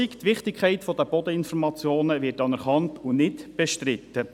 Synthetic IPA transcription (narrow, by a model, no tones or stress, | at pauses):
ikt̪ʋɪχt̪ɪkʰχɛɪtfɔd̪əb̥ɔd̪əɪnfɔɾmɑt͡sjoːnəʋɪtɑnɛɾχɑntunɪtb̥eʃtɾɪt̪ːə